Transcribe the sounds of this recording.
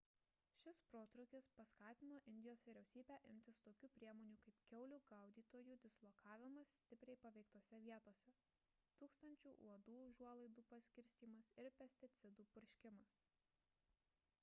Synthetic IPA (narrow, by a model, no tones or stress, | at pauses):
ʃʲɪspɾoːt̪ɾʊkʲɪspɐskɑːt̪ʲɪnoːʔɪnʲd̪ʲɪjoːsʋʲiːɾʲɛʊsʲiːbʲæːʔɪmʲt̪ʲɪst̪oːkʲuːpʲɾʲiɛmoːnʲuːkɐɪpkʲɛʊlʲuːɡɐʊd̪ʲiːt̪oːjuːd̪ʲɪslˠɔkʰɑːʋʲɪmɐsːʲt̪ʲɪpʲɾʲɛɪpɐʋʲɛɪkt̪oːsʲɛʋʲiɛt̪oːsʲɛ | t̪uːkst̪ɐnʲt͡ʃʲuːʔuɔd̪uːʒuɔlˠɐɪd̪uːpɐsʲkʲɪɾʲsʲt̪ʲiːmɐsɪɾpʲɛsʲt̪ʲɪt̪sʲɪd̪uːpʊɾʲʃʲkʲɪmɐs